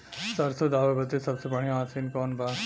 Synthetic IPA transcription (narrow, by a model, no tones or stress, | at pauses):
sɐɾsod̪aːʋebɐt̪esɐbsepɐɳ̤̃ijõaːsinkɔːnbaː